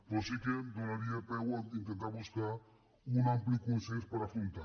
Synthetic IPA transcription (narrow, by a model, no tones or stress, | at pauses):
posikend̪oɾaɾiapewanint̪ent̪aɾβuskaɾ | unãmplikunsespaɾafult̪a